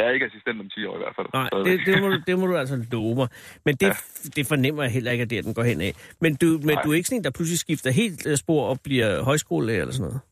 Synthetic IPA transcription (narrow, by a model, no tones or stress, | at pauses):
jɑ̈ɐe̝ɡ̥əæsisd̥en̰d̥ɒ̽mt͡sʰiːɒ̰ːiʋæɐfæ̰lnɑ̈ɪ̰d̥ed̥emɒdud̥emɔɾ̥uæl̰sɐlɔːʊmɑ̈ɪmend̥e̝d̥e̝fɒ̽nem̰ɐjɑ̈ɦel̰ɐe̝ɡ̥æd̥e̝æd̥enɡ̥ɒ̰hen̰ɛ̰mend̥umend̥uæɐe̝ɡ̥sɒ̽nḛndɑ̈pʰlus̬lisɡ̥ifd̥ɐɦe̝̰ːl̥sb̥o̝ɐ̰ɒ̽b̥liɐ̰ɦɒ̽ɪsɡ̥o̝̰ːlɛ̰ḛlɐsɔ̽nɔ̽ːð̩ˠ